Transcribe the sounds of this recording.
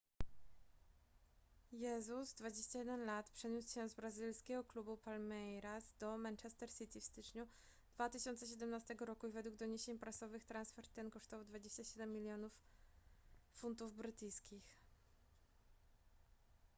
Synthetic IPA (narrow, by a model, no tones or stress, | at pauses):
jɛzuzd̪vad͡ʑeɕt͡ɕajɛd̪ɛnlat̪pʂɛɲuswɕɛzbɾazilskʲɛɡɔklubupalmɛjɾazd̪ɔmɛnt͡ʂɛst̪ɛɾsɘt̪ʲifst̪ɘt͡ʂɲu | d̪vat̪ɘɕɔnt̪sɛɕ̬ɛd̪ɛmnast̪ɛɡɔɾɔkuivɛd̪wuɡd̪ɔɲeɕeɲpɾasɔvɘxt̪ɾansfɛɾt̪ːɛnkɔʂt̪ɔvawd̪vad͡ʑeɕt͡ɕaɕɛd̪ɛmːʲilʲjɔnuf | funt̪̬uvbɾɘt̪ɘjskʲix